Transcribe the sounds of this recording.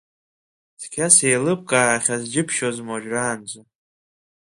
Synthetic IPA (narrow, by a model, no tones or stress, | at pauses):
skʲʰasejlɨp̚ʰʼkʼaːaχʲazd͡ʒɪpʰʃozmoʒᶣraːnd͡ʒʷʼa